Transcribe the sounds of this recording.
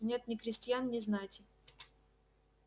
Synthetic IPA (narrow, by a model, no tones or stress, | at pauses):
nʲet̪nʲɪkɾʲɪsʲtʲjannʲɪznajtʲɪ